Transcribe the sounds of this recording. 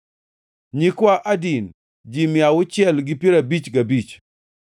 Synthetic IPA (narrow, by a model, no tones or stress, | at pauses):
ɲikwaʔadin | d͡ʒimjawʊt͡ʃɛlɡɪpiɾabit͡ʃɡabit͡ʃ